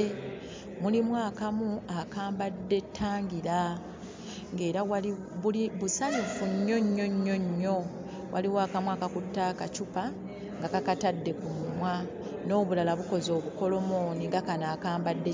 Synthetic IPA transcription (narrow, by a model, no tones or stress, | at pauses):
mulimwaːkamuakaːmbadːe̞tʰːaːŋɡiɾa | ŋɡe̞ːɾawali | βuliβusaɲufuɲːo̞ɲːo̞ɲːo̞ɲːo̞ | wʔaliwaːkamuakakutːaːkat͡ʃupa | ŋɡakakatadːe̞kumːwa | no̞ːβulalaβuko̞zo̞ːβuko̞lo̞mo̞ːniŋɡakanaːkaːmbadːe